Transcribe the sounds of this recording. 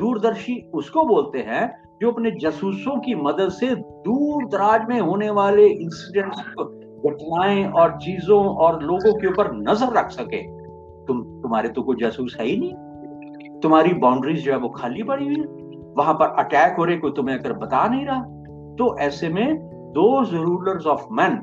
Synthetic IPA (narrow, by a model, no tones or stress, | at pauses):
d̪uːɾd̪əɾʃiʊskoboːlt̪eɦɛ̃ | d͡ʒoːɐpned͡ʒɐsuːsõkimɐd̪əd̪sed̪uːɾd̪ɐɾaːd͡ʒmẽɦoːneʋaːleʔɪ̃nsiɖɛ̃ɳʈs | bɐʈnaːẽɔːɾt͡ʃiːzõɔːɾloːɡõkeuːpəɾnɐzəɾːɐkʰsɐkḛ̃ː | t̪ʊmt̪ʊmɦaːɾet̪õkoid͡ʒaːsuːsɦɛinĩː | t̪ʊmɦaːɾibãːʊɳɖɾizd͡ʒoːɦɛʋokʰaːlipɐɽiɦi | ʋɐɦãpɐɾɐʈɛːkɦoːɾekot̪ʊmɦẽɐɡəɾbɐt̪anɐɦĩɾɐɦa | t̪oʔɛːsemẽ | d̪oːzɐɾuːləɾzɔːfmɛ̃n